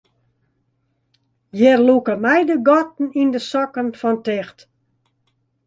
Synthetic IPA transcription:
jɛrlukəmɛjdəɡɔtn̩indəsɔkənfɔntɛxt

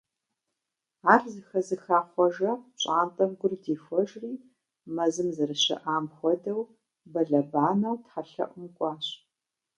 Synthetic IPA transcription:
aːrzɨxɐzɨxaːχʷɔʒɐɕʼaːntʼɐmɡʷʊrdeːfʷɔʒriː | mɐzɨmzɨrɨɕɐ̰ʔaːmxʷɔdɐw | bɐɮɐbaːnɐwtħaɬɐ̰ʔʷʊmkʷʼɑːɕ

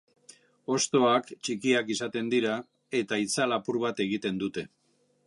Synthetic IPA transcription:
o̞st̪o̞akt͡ʃikiakisat̪e̞nd̪iɾa | e̞t̪ait͡salapuɾβat̪e̞ɣ̞it̪e̞nd̪ut̪e̞

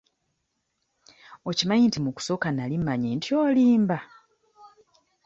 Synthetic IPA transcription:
ocimaɲintimuku̥so̞kanalimːaɲintjoːliːmba

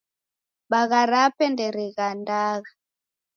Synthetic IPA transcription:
ɓaɣaɾapɛndɛɾiɣandaːɣa

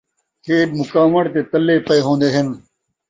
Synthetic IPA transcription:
kʰeːbmʊkaːmɐɽt̪eːt̪ɐlːeːpɐeɦõːnd̪eːɦɪn

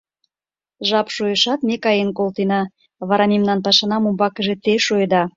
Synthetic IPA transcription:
ʒɑpʃojəʃɑt̪mekɑjenkolt̪enɑ | βɑɾɑmemnɑnpɑʃɑnɑmumbɑkəʒet̪eʃojd̪ɑ

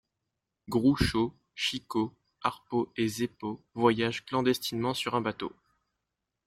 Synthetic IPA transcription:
ɡʁuʃo | ʃiko | aʁpoezepo | vwajaʒklɑ̃d̪ɛst̪inmɑ̃syʁɛ̃bat̪o̰

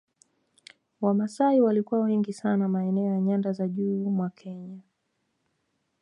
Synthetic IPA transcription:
wamasaiwalikuwawɛŋɡisanamaɛnɛɔjaɲandazaʄuːmwakʰɛɲa

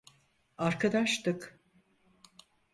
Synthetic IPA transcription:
aɾkʰad̪aʃt̪ɯk

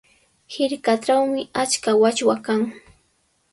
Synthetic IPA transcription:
hɪɾkaʈ͡ʂawmɪat͡ʃkawat͡ʃwakaŋ

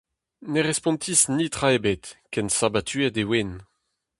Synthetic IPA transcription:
neʁɛspɔ̃nt̪ʰisnit̪χaebet̪kɛnsabat̪ʰyɛdewen

